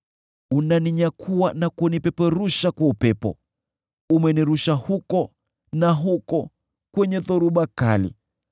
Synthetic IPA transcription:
unaniɲakʰuwanakunipɛpɛɾuʃakwaupɛpɔ̰ | umɛniɾuʃahukɔ | naɦukɔ | kwɛɲɛðɔɾuɓaka̰lḭ

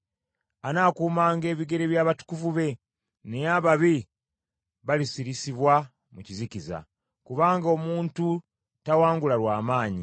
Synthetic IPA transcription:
anaːkuːmaːŋɡe̞ːβiɡe̞ɾe̞βjaːβatu̥kuvuβe̞ | nejaβaβi | βalisiɾisiβwa | muciziciza̰ | kuβaːŋɡo̞muːntu | tawaːŋɡulalwaːmaːɲi

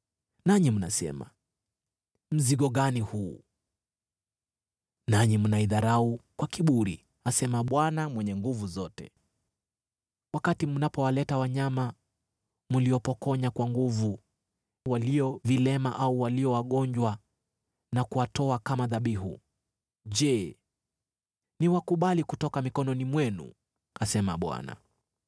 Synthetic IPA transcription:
naɲim̩na̰sɛ̰ma̰ | m̩ziɠɔɠanihuː | naɲimunaiðaɾaukwakiɓuɾḭ | asɛmaɓwanamwɛɲɛŋɡuvuzɔtɛ̰ | wakatimunapɔwalɛtawaɲama | muliɔpɔkɔɲakwaŋɡuvu | waliɔvilɛmaʔauwaliɔwaɠɔɲd͡ʒwa | nakuwatɔakamaðaɓihṵ | ʄɛ | niwakuɓalikutɔkamikɔnɔnimwɛnṵ | asɛma̰ɓwa̰na̰

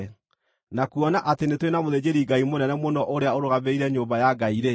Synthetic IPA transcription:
nakuɔnaʔatenetwenamoðed͡ʑeɾiɡaimonɛnɛmonɔʔoɾeaoɾoɣaβeiɾɛɲoːbajaɡaiɾe

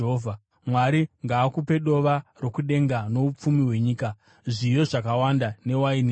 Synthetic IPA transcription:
ɦovʱa | mwaɾiŋɡaːkupe̞ɗo̞ʋaro̞kuɗe̞ŋɡano̞up͡fumiɦwe̞ɲiːka | ʐijo̞ʐakawandane̞waini

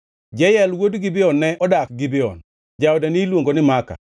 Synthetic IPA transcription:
d͡ʒɛjɛlwodɡɪbɪɔnːɛʔɔdak̚ɡɪbɪɔ̰n | d͡ʒaɔdanilwoŋɡonɪmaka̰

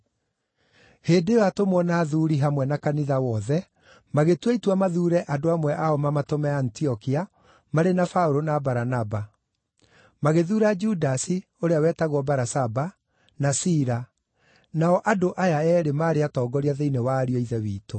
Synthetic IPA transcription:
heːdewatomwɔnaːðuɾiɦamwɛnakaniðawɔðɛ | maɣetweitwamaðuːɾɛʔadoamwɛʔaɔmamatomɛantiɔkia | maɾenafaoɾonabaɾanaba | maɣeðuːɾad͡ʒudasi | oɾeawɛtaɣwɔbaɾasaba | nasiɾa | naɔʔadoʔajaɛːɾemaːɾeatɔːɡɔɾiaðeinewaːɾiɔiðɛwiːto

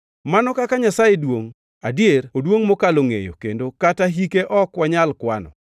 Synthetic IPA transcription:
manɔkakaɲasajedwoŋ | adjerodwoŋmokaloŋḛjo̰kḛndokataɦikeʔɔkwaɲalkwanɔ̰

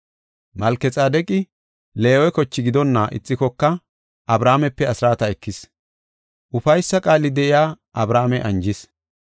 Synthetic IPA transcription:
mɐlkːɛt͡sʼaːd̪ɛkʼɪ | leːwɛkɔt͡ʃːɪɡɪd̪ɔnːɐʔɪ̰t͡sʼːɪkɔkːɐ | ʔɐbɾaːmɛpːɛɐsɾaːt̪ɐɛkːɪs | ʔʊfɐjsːɐkʼaːlɪd̪ɛʔɪjaː | ʔɐbɾaːmɛʔɐnd͡ʒɪs

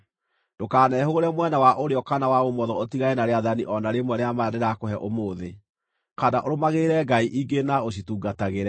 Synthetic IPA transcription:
d̥okaːnɛɦoɣoɾɛmwɛnawaʔoɾeɔkanawaɣomɔðɔotiɣaɛnaɾeaðaniʔɔnaɾemwɛɾeamadeɾakoɦɛʔomoːðe | kadaʔoɾomaɣeɾɛɡaiʔiɡenaoɕ̬ituɡataɣeɾɛ

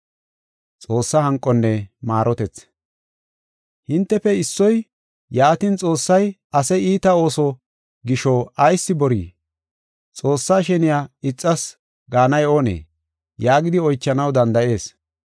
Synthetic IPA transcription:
t͡sʼo̞ːsːɐhɐŋkʼːɔnːɛmaːɾɔt̪ɛt͡s | hɪnt̪ːɛfɛɪsːɔj | jaːt̪int͡sʼo̞ːsːɐj | ɐsɛiːt̪ɐo̞ːsɔ | ɡɪʃɔɐjsːɪbɔɾḭː | t͡sʼo̞ːsːaːʃɛnɪjaɪt͡sʼːɐs | ɡaːnɐjo̞ːnḛː | jaːɡɪd̪ɪɔjt͡ʃːɐnɐwd̪ɐnd̪ɐʔe̞ːs

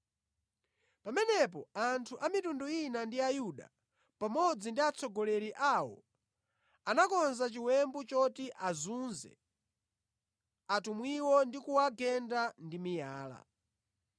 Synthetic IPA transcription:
pamɛnɛp̬ɔantʰuʔamitunduinandiajuɗa̰ | pamɔd͡zindiat͡sɔɡɔlɛɾiʔawɔ̰ | anakɔnzat͡ʃiwɛmbut͡ʃɔtiʔazunzɛ̰ | atumwiwɔndikuwaɡɛndandimijaːla̰

